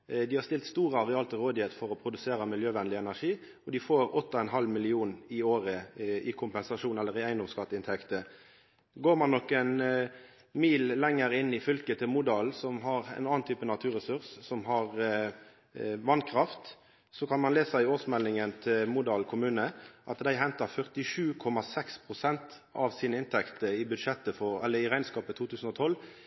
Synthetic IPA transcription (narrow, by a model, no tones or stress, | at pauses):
d̪ɪhɑʁst̪ɪlt̪st̪uːɾəɑʁɛɑːlt̪ɔɾoːd̪ɪheːt̪fɔɾɔpʰɾʊd̪ʉseːɾəmɪljøːʋɛnlɪɛnæʂiː | ɔd̪ɪfoːɾɔt̪ːɔɛnɦɑlmɪlɪuːnɪoːʁəɪkʰʊmpɛnsɑʂuːnɛlːəʁɪæɪnd̪ɔmskɑt̪ːəɪnt̪ʰɛkt̪ə | ɡoːɾmɑnːɔkːɛn | miːllɛŋːəɾɪnːɪfʏlkət̪ʰɪlmud̪ɑlsɔmɦɑʁɛ̰nɑːnt̪ʰyːpənɑt̪ʰʉːɾʁɛsʉʁssɔmɦɑʁ | ʋɑnkʰɾɑft̪ | sɔkʰɑnmɑnleːsæɪoːsmɛlːɪŋənt̪ʰɪlmuːd̪ɑːlkʰʊmʉːnəʔɑt̪d̪æɪɦɛnt̪ɑfœʁt̪ɪʂʉːkʰɔmɑsɛkspʰʁʊsɛnt̪ | ʔɑʋsiːnəɪnt̪ʰɛkt̪əɪbʉd̪ʂɛt̪ːəfɔɛlːəɪʁæɪnskɑːpət̪ʰuːt̪ʰʉːsən̩ɔt̪ʰɔlː